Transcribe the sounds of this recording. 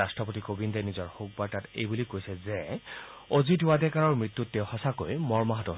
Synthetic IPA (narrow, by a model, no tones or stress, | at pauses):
astɔpotikobindɛnizɔɹhok̚baɹtatḛjbulikojsɛzɛ | ozidʊwadɛkaɹɔɹmɹit̪ːutːɛwhɔsako̰jmɔɹmaɦatɔɦ